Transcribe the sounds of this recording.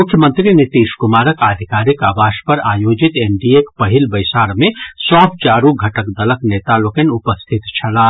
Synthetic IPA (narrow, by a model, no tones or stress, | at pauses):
mʊkʰːjəmə̃nt̪ɾinit̪iːʃkʊmaːɾəkad̪ʱikaːɾikaːbaːʃpəɾa̰ːjoːd͡ʒit̪enɖiekpəɦilbəɪsaːɾmẽsɔːb̚t͡ʃaːɾũɡʱɐʈəkd̪ɐləkneːt̪alokenʊpəst̪ʰit̪t͡ʃʰɐlaː